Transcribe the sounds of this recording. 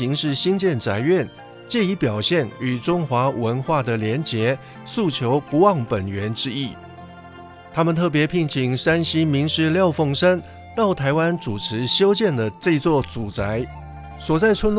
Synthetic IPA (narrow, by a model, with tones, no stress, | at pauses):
i˧˥ŋʂɻ̩˥˩ɕi˥ŋt͡ɕjɛ˥˩nt͡sa˧˥ɪɥɛ˥˨n | t͡ɕjɛ˥˩i˧˥pjɑ˨˩ʊɕjɛ˥˩ny˨˩ʈ͡ʂʊ˥ŋxwa˧˥wə˧˥nxwa˥˩d̪ə˩ljɛ˧˥nt͡ɕjɛ˧˥ | su˥˩t͡ɕʰjo˧˥ʊpu˧˥wɑ˥˩ŋpə˨˩nɥɛ˧˥nʈ͡ʂɻ̩˥i˥˩ | t̪ʰa˥mə˨nt̪ʰɤ˥˩p̬jɛ˨˧˥pʰi˥˩ŋt͡ɕʰi˨˩ŋʂa˥nɕi˥mi˧˥ŋʂɻ̩˥˧ljɑ˥˧ʊfɤ˥˩ŋʂə˥n | t̪ɑ˥˩ʊt̪ʰa˧˥ɪwa˥nʈ͡ʂu˨˩ʈ͡ʂʰɻ̩˧˥ɕjo˥ʊt͡ɕjɛ˥˩nd̪ə˩ʈ͡ʂɤ˥˧i˥t͡swɔ˥˩t͡su˨˩t͡sa˧˥ɪ | swɔ˨˩t͡sa˥˩ɪt͡sʰwə˥n